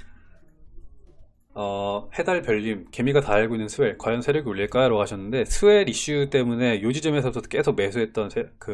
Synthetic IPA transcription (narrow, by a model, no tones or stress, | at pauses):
ʌhe̞daɭpjʌʎːimke̞miɡataaɭɡoinːɯnsʰɯe̞ɭkwaʎjʌnsʰe̞ɾjoɡioʎːiɭk͈ajaɾoaɕʰʌnːɯnde̞sʰɯweɾiɕ͈ut͈e̞mune̞jod͡ʑid͡ʑʌme̞sʰʌusʰʌk͈e̞sʰok̚me̞sʰuɦe̞t̚t͈ʌnsʰekɯ